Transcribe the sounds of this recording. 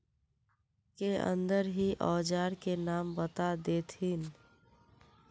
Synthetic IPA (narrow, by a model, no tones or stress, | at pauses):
keə̰̃nd̪əɾɦiʔɔːd͡ʒaːɾkenaːmbət̪ad̪eːt̪ʰin